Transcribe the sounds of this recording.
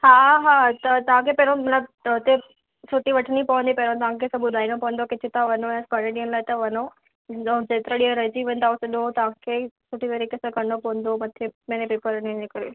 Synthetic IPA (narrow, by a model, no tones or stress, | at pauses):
ɦaːɦaːt̪ɐt̪ɐʋ̤ãkʰepɐɦɾõmɐt̪ləbɦʊt̪e | sʊʈiʋɐʈʰnipɐʋə̃nd̪ipɐɾõt̪ɐʋ̤ãkʰesãʊd̪ʱaːinopɐʋə̃n̆d̪okɪt̪ʰɪt̪ãʋɐnojãskɐɽeɗiənɪlaːɪt̪ɐʋɐno | d͡ʑeːt̪ɪɾaɗiɾɐd͡ʑiʋẽːnd̪aʊseɗõt̪ɐʋ̤ãkʰeːsʊʈit̪ɐɾikesãkɐɳopɐʋə̃nd̪omɐt̪ʰemenepeːpəɾnid͡ʑekəɾo